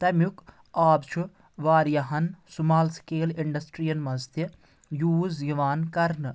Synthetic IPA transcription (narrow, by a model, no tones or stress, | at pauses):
t̪ɐmjuk | aːbt͡ʃʰu | ʋaːɾjɐɦɐnsumaːlskeːliɳɖɐsʈɾijɐnmɐst̪i | juːzjiʋaːnkɐɾnɨ